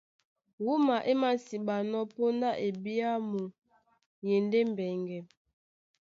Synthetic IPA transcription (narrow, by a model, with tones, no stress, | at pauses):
wu˦ma˨ʔe˦ma˦n˨si˨ɓa˨nɔ˦po˦nda˦ʔe˨bi˦a˦mu˨ | je˨nde˦m˨bɛ˨ŋɡɛ˨m